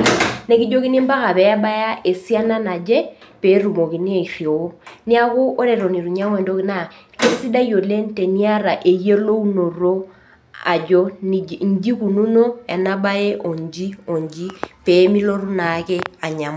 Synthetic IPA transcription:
ne˦ki˦d͡ʒo˦ki˦ni˦mba˦ka˨pɛ˨a˦ba˦ja˦e˨si˦a˦na˦na˨d͡ʒe˦peː˨˦ɾu˨mo˨ki˨ni˦e˨fi˨o˦ni˦a˦ku˦ʔo˦ɾe˨ɾo˨ni˨ɾu˨ɲa˦ŋwe˨ndo˦ki˦na˦˨ke˦si˦da˦jo˨le˦n˦te˨ni˦a˦ɾa˨ʔe˨je˦lo˦u˦no˨ro˦ | a̰˨d͡ʒo˦ɲ˦d͡ʒi˦ku˨nu˦no˦ɛ˨na˦ba˦je˦ʔo˨ɲd͡ʒi˦o˨ɲd͡ʒi˦pe˨˦mi˦lo˦ɾu˦na˨˦kɛ˦a˨ɲa˨m

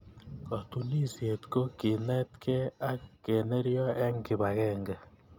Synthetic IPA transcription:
ka˨tu˨ni˦sje˨t̪ko˦ki˨nɛ˦tkʰɛ˦a˦ke˨ne˦ɾjɔ˦ʔe˦ŋɡɪ˨βa˨ɣɛ˦ŋɡɛ˨

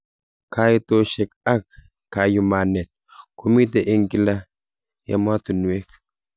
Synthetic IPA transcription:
kʰa˦ito˦ʃɛ˨ka˦k̚ | ka˨ju˨ma˨nɛ˨t̪̚ | ku˦mi˦te˨ʔe˦ŋki˦la˦ | ja̰˨ma˦tu˨nwe˦k

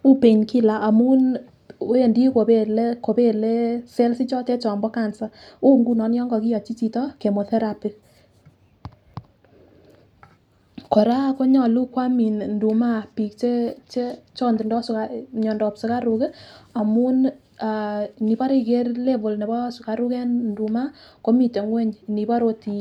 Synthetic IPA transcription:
u˦pe˨ɲki˦la˨ʔa˨mu˦n˦ | e˦˨ndi˦ko˨be˦˨le˦ko˨pe˦le˦sɛ˦lsi˦t͡ʃɔ˦tɛ˦t͡ʃɔ˨mbɔ˦ka˨nsa˦u˦ŋɡu˦nɔ˨njɔ˦ŋɡɔ˨ki˦jɔ˨t͡ʃi˦t͡ʃi˨tɔ˦ke˨mo˨θɛ˦ɾa˨pi˨ | kɔ˨ɾa˦ko˦ɲɔ˨lu˦kwa˦mi˨nndu˨ma˦pi˨k̚t͡ʃe˦t͡ʃe˦t͡ʃɔ˦ndi˨ndɔ˦skaɲɔ˨ndɔ˨psu˨ka˦ɾu˨ke˦a˨mu˦n | a˨ni˨pa˦ɾi˦˨k̬e˦rle˦vo˨lne˨bɔ˦su˨ka˨ɾu˦kɛ˦nndu˨ma˦ko˦mi˨te˨ŋwɛ˦ɲ˨ni˨pa˦ɾo˦ti˨

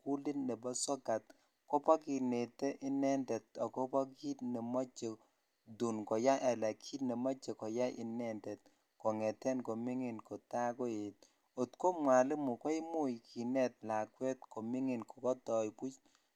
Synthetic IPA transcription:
ku˦li˦nːɛ˨bɔ˦sɔ˦ka˨t̚ | kɔ˦pa˦ki˨ne˨tɛ˦ʔɪ˦nɛ˦ntɛ˨tɔ˨kɔ˦pɔ˦ki˦tne˨mɔ˦t͡ʃːe˨ | du˨nkɔ˨ja˦ʔɛ˨lɛ˨kʰi˦tne˨mɔ˦t͡ʃːe˨kɔ˨ja˦ʔɪ̰˨nɛ˦ntɛ˨t̚ | kɔ˨ŋɛ˨tɛ˦nko˨mɪ˦ŋɪ˨nkɔ˨ta˦kɔ˦e˨t̚ | o˨tko˦mwa˨lɪ˦mʊ˨kɔ˦ɪ˦mu˦jkʰi˨nɛ˦t̚la˨kwɛ˦t̚ko˨mɪ˦ŋɪ˨nko˨kɔ˦tɔ˨jku˦t͡ʃ

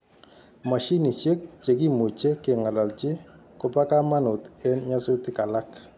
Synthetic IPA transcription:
ma˨ʃi˦ni˨t͡ʃe˦k̚t͡ʃe˨ki˦˨mo˨t͡ʃe˦kɪ˨ŋa˨la˨lt͡ʃɪ˦ | ko˦pa˦ka˦ma˦nʊ˨t̪ɛ˦nɲa˦sʊ˦tɪ˦ka˨la˦k

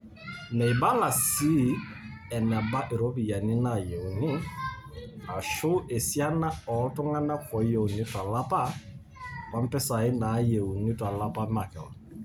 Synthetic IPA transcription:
nɛ˨ɪ˨ba˦la˨si˦ | ɛ˨na˨ba˦ʔɪ˨ɾo˦bi˨ja˨nɪ˦na˨je˨u˨nɪ˦ | a˨ʃʊ˦ʔe˨sja˦na˦ɔ˨˦tʊ˦ŋa˦na˦kɔ˨˦je˨u˨nɪ˦twa˨la˦pa˦ | ka˦m̩˦pɛ˦sa˨ɪ˦na˨˦je˨u˨nɪ˦twa˨la˦pa˦ma˨kɛ˨lɔ˨

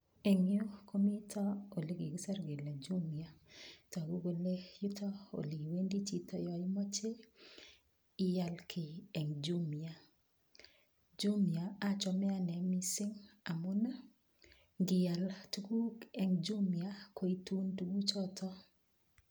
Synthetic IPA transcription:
e˨ŋjo˦kʰo˦mi˦tʰɔ˦o˨li˨ɡi˨ɡi˦sɛ˦ɾɡe˨la˨d͡ʒu˦mi˨a˨tɔ˨a˨ɡu˦ɡo˨le˦ju˦tʰɔ˦o̰˨li˨we˦ndi˦t͡ʃi˨tɔ˦jɔ˨ɪ˦mɔ˦t͡ʃe˦ | ɪ˦ja˨lkʰɪ˨ɛ˨ŋd͡ʒu˦mi˨a˨ | d͡ʒu˦mja˨a˦t͡ʃɔ˨mɛ˦a˦nɛ˨mi˦sɪ˦ŋa˨mʊ˦na˦ | ɡɪ˨ja˨ltu˦ɡu˦kɛ˨ŋd͡ʒu˦mja˦kʰo˦i˦tu˦ntuɡu˦t͡ʃɔ˦tʰɔ˦

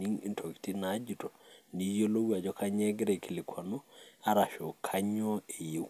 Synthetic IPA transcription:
ni˦ŋḭ˦˨ntʰo˨ki̥˨ti˦na˨˦d͡ʒi˨tɔ˨ni˨jo˦lo˦wa˨d͡ʒɔ˦kʰa˦ɲɛ˦ɡɾɛ˨ki˨lɪ˨kʰwa˨nu˦a˦ɾa˨ʃo˨kʰa˦ɲɔ˦e˨je˦

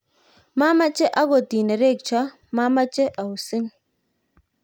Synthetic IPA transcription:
ma˦ma˦t͡ʃɛ˦ʔa˦ɡɔ˨ti˨nɛ˨ɾe˦˨k̚t͡ʃa˦ | ma˦ma˦t͡ʃɛ˦ʔa˨u˨sɪ˦ŋ

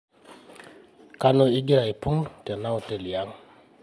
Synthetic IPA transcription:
ka˦no˨i˦ɡi˦ɾa˨i˨pu˦ŋtɛ˨na˦utɛ˨li˨aŋ

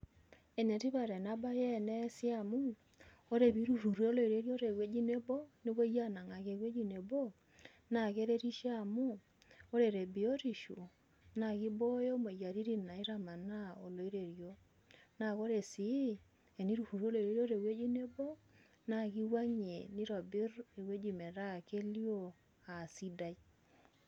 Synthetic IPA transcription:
e˨ne˨ti˦βa˨ɾɛ˨na˦ba˦jɛ˦˨nɛ˦sja˦mu˦ | o˦ɾe˨βi˨˦ɾu˨hu˨ɾo˦lo˦˨i˨ɾe˦ɾjo˦ɾe˨ɣwe˦d͡ʒi˦ne˦bɔ˦ni˦βo˦ja˦na˨ŋa˨ɣe˨ɣwe˦d͡ʒi˦ne˨βo˦ | na˨ɣe˦ɾe˦ɾi˦ʃa˦˨mu˦ | o˦ɾe˨ɾe˨bi˨o˦ɾi˨ʃu˨ | na˨ɣi˦bo˦jo˦mo˨ja˨ɾi˦ɾi˦na˨i˦ɾa˦ma˨na˦o˨lo˨i˦ɾe˨ɾjo˦ | na˨ko˦ɾe˨si˨˦ | e˨ni˦ɾu˨hu˨ɾo˦lo˨ɾe˨˦ɾjo˦ɾe˨we˦d͡ʒi˦ne˦bo˦ | na˦ki˦wa˦ɲe˨ni˦ɾɔ˨bɪ˦ɾe˨we˦d͡ʒi˨me˨ɾa˦˨ke˦ljo˦ | a˨si˦da˦i˦

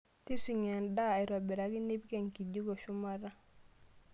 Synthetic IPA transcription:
ti˦si˨ɲa˨ndaː˦˨i˨ɾa˨bi˨ɾa˨ɡi˦ni˦bke˨ŋki˨ɟi˦ɡo˨ʃu˦ma˦ɾa˦

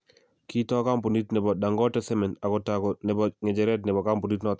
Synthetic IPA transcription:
ki˦tɔ˦ka˦mpɔ˨ni˦tnɛ˨bɔ˨da˨ŋɡɔ˦tɛ˦sɛ˦mɛ˨na˨kɔ˨takɔ˨nɛ˨bɔŋɛ˨d͡ʒɛɾɛ˦tnɛ˨bɔ˨ka˦mp̬u˨ni˦tnɔ˨t̪

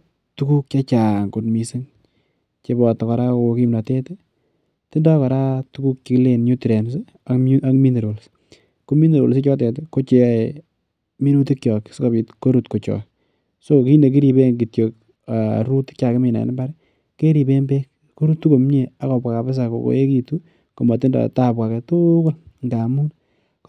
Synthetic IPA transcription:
tu˦ku˦k̚t͡ʃa˦t͡ʃaː˨ŋko˨tmi˨si˦ŋ | t͡ʃe˦bɔ˨tɔ˨kɔ˨ɾa˦ko˨ki˦mna˨te˦te˦ | tɪ˦ndɔ˦kɔ˨ɾa˦tu˦ku˦k̚t͡ʃi˨ki˦le˦˨nɲu˦ti˨ɾe˨ns̬e˦ | a˦ʔa˦kmi˦nde˨ɾwo˨ls | ko˦mi˦ndeɾwo̰˨ls̬ɪ˦t͡ʃɔ˦tɛ˨te˦ko˦t͡ʃe˨a˨ | mi˦nu˦ti˦kt͡ʃjɔ˨kska˨bi˨tko˦ɾu˦tko˨t͡ʃɔ̰˨ | so˦˨ki˦nde˨k̬i˦ɾi˨be˦ŋɡi˨tjo˨k | a˨ɾu˦ti̥˦kt͡ʃa˨kɪ˦mɪ˨na̰˨n˦ba˦ɾ | ke˦ɾi˨be˦mbe˦k | ko˦ɾu˦tːu˦ko˨m˦ɲe˨a˦kɔ˨pwa˨ka˨bɪ˦s̬a˨ko̰˨ko̰˨˦e˦ki˨tu˦ | ko˨mɔ˨tɪ˦ndɔ̰˨ta˦pwa˨kɛ˨tʊko˦lŋɡa˨mu˦n

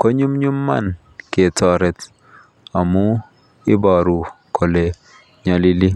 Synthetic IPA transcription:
kɔ˦ɲu˦mɲu˦mːa̰˦˨n | ke˨tɔ˨ɾɛ˨t | a˨mu˦ | ɪ˦bɔ˨ɾu˨ | kʰo˨le˨ | ɲa˨li˦li˦

